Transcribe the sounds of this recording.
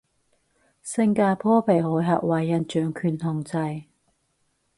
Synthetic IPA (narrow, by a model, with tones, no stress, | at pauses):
sɪ˧ŋkaː˧pʰɔː˥pʰe˨˩jhɔː˨˥jɦɐ̰˨k̚wɐ˨˧jːɐ˧nt͡ʃœː˨˧˥ŋkʰyː˨˩nh̪ʊ˨˧ŋt͡sɐ˧j